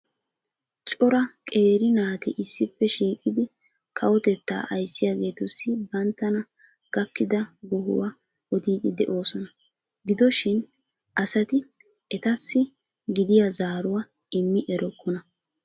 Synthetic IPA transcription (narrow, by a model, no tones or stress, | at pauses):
t͡ʃʼɔɾɐkʼe̞ːɾɪnaːt̪ɛʔɪsːɪpːɛʃiːkʼɪd̪ɪ | kʰɐwɔt̪ɛt̪ːa̰ːʔɐjsːɪjaːɡe̞ːt̪ɔsɪbɐnt̪ːɐnɐ | ɡ̥ɐkːɪd̪ɐɡɔɦʊ̰wa | ɔd̪iːd̪ɪd̪ɛʔo̞ːsɔnɐ | ɡɪd̪ɔʃɪn | ʔɐsɐt̪ɪ | ʔɛt̪ɐsːɪ | ɡɪd̪ɪjazaːɾʊwa | ɪmːɪʔɛɾɔkʰːɔnɐ